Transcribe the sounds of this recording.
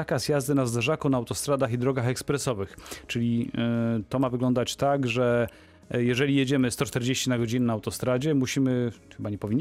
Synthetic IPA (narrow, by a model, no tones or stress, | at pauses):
akasjazd̪ɘnazd̪ɛʐakɔnaːwt̪ɔst̪ɾad̪axid̪ɾɔɡaxɛkspɾɛsɔvɘxt͡ʂɘlʲi | t̪ɔmavɘɡlɔnd̪at͡ɕt̪aɡʐɛ | jɛʐɛlʲijed͡ʑɛmɘst̪ɔt͡ʂt̪ɛɾd͡ʑeɕt͡ɕinaɡɔd͡ʑinɘnaːwt̪ɔst̪ɾad͡ʑɛmuɕimɘxɘbaɲɛpɔvʲiɲː